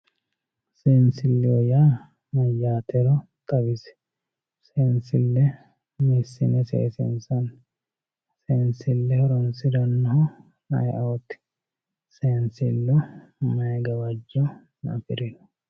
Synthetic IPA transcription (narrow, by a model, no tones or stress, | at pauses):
seːnsɪlːɪɔjaː | mɐjaːt̪ʰɛɾɔ | t̪ʼɐbɪsɛ̥ | seːnsɪlːɛ | misːɪnɛsḛːsɪ̰nsɐn | sensɪlːɛhɔɾɔnsɪd̪ɐnːɐhɔ | nɐ̰jʔɐwɔt̪ːɪ̥ | seːnsɪlːɔmɐjɛɡɐbɐd͡ʒɔ | nɐ̰fɪɾɛn